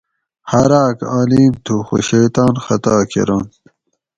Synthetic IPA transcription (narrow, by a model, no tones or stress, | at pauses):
hɐɾaːkaːliːmt̪ʰuxo̰ɕeːt̪aːnxɐt̪aːkʰḛɾaːn